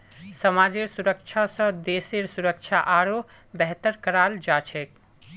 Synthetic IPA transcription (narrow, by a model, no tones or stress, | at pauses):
səmad͡ʒeɾsuɾək̚t͡ʃʰasə̃d̪eseɾsuɾək̚t͡ʃʰaʔaɾo | bɛɦt̪əɾkəɾald͡ʒat͡ʃʰek